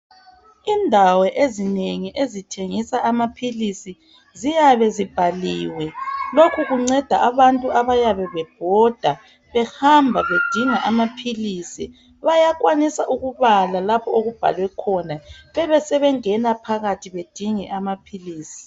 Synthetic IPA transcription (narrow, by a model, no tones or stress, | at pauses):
indʱawɛʔezineŋiʔezitʰeŋisaʔamapʰilisi | zijaβɛzib̥ʱaliːwɛlokʰuɣuŋ͡ǀɛd̥ʱa̰ʔaβantʼuaβajaβɛβɛb̥ʱɔd̥ʱa | βɛhambʱaβed̥ʱiŋaʔamapʰiliːsi | βajakʼwanisaʔuɣuβalalapʰɔoɣub̥ʱa̰lwɛkʰɔnaβɛβɛsɛβɛŋɛnapʰaɣatʰiβed̥ʱiŋɛʔamapʰiliːsi̥